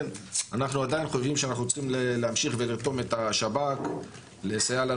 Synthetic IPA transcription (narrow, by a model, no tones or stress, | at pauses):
nanaχnuad̪ajinχojvimʃeanaχnuot͡sχimleleamʃiχveliʁt̪o̞me̞t̪aʃabak | lesajala